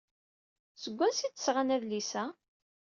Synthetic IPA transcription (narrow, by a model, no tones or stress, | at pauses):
səɡʷːæsit͡sːə̥sʁanæðlisæ